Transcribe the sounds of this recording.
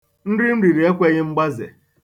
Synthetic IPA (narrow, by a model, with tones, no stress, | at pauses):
n̩˦ɾɪ˦m̩˦ɾi˨ɾi˨e˦kʷe˦ɣɪ˦ŋ͡m̩˦ɡ͡ba˦zḛ˨